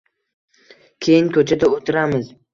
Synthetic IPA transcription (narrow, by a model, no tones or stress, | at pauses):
kʲʰejɪŋkʰɵt͡ʃʰad̪aot̪ʰɪɾamɪz̥